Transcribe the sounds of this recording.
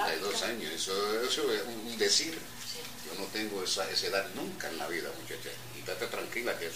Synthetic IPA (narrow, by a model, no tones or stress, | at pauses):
ajðosaɲoesoesoeuund̪esiɾ | ɟ͡ʝonot̪eŋɡoesaeseðanũŋkaenla̰βiða̰mut͡ʃat͡ʃa̰ | it̪at̪at̪ɾaŋkilakees